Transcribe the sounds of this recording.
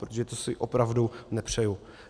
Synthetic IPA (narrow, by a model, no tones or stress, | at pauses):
pɾot̪oʒɛt̪osɪʔopɾavdunɛpr̝̥ɛju